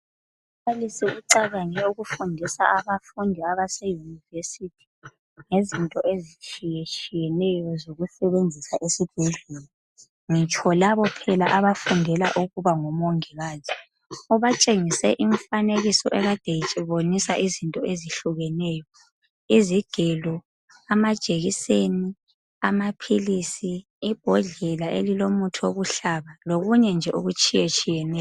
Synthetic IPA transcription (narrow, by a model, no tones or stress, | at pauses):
βalisiuǀaɣaɲɛuɣufundʱisa̰aβafundʱiaβasɛjunivesitʰi̥ | ŋezintʼɔʔezit͡ʃʼijet͡ʃʼijɛnɛjɔzoɣusɛβend͡zʱisaʔesib̥ʱɛɮɛlɔ | ŋit͡ʃʼʰɔlaβɔpʰɛlaʔaβafundʱɛla̰ʔuɣuβaŋɔmoŋiɣaːzʰɛ̥ | ɔβat͡ʃʼeŋisɛʔiɱfaneɣisɔ̰ʔɛɣad̥ʱejit͡ʃʼiβonisaʔizintʼɔeziɬuɣɛnɛjɔ | iziɡ̥ʱɛlɔ | amad̥ʒ̥ʱeɣiseni | amapʰilisiː | b̥ʱɔɮɛlaʔelilomutʰuoɣuɬaβaloɣuɲɛnd͡ʒʱɛʔoɣut͡ʃʼijet͡ʃʼijɛnɛːj